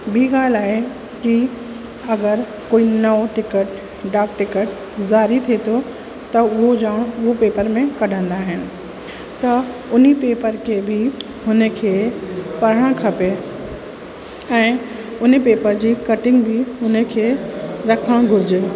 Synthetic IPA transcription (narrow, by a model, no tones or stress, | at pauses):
biːɡaːlaːɦe | ki | ɐɡəɾ | koːinɐʋʈɪkəʈ | ɖaːk̚ʈɪkəʈ | zaːɾit̪ʰet̪ʰo | t̪ɐʊɦod͡ʒaːɽ̃ʊɦopeːpəɾmẽkɐɽ̤ʱə̃nd̪aɦɪnɪ̆ | t̪ɐʊnipeːpəɾkʰebʱi | ɦʊnəkʰeːpɐɾəɽ̃kʰɐpe | ɛ̃ː | ʊnpeːpəɾd͡ʑiːkɐʈɪ̃ŋɡbʱɪɦʊnəkʰeɾɐkʰəɽ̃ɡʱʊɾd͡ʑe